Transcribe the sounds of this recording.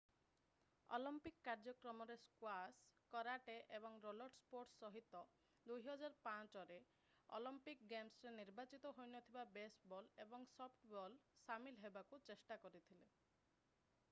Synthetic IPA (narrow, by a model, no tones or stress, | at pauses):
ɔ̰limpikːaɾd͡ʒɔkɾɔmɔɾeskwaskɔɾaʈeʔebɔŋɾolɔɾʈspoɾʈsːɔɦit̪ɔ | d̪ujɦɔd͡ʒaɾpãt͡ʃɔɾe | ɔ̰limpikɡemsɾeniɾbat͡ʃit̪ɔɦojnɔt̪ʰibabesbɔlebɔŋsɔpʰʈbɔlsamilɦebakut͡ʃesʈakɔɾit̪ʰile